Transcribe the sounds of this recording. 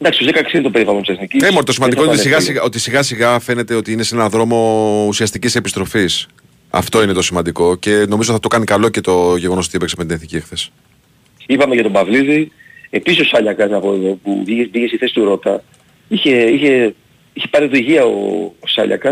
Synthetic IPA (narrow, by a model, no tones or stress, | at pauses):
nd̪ɐksiozekɐksiðit̪opeɾivɐlont̪iseθniciimont̪osimɐnd̪ioinosiɣɐsiɣo̞t̪isiɣɐsiɣɐfe̞ne̞t̪e̞ot̪iinesenɐðɾo̞mo̞usiɐst̪icise̞pist̪ɾo̞fis | ɐ̰ft̪o̞inet̪o̞simɐnd̪iko̞ce̞noizot̪iθɐt̪okɐnikɐlo̞ce̞t̪o̞ʝe̞ɣo̞noot̪iepeksemet̪ineθniciexθesi̥ | ipɐmeʝɐt̪o̞bɐvliði | episiso̞sɐʎɐkɐsɐpoeðopṵvibiʝesiθe̞si̥t̪uɾo̞t̪ɐ | içeiçe̞ | içe̞pɐɾioðiʝiɐo̰ːsɐʎɐ̰kɐs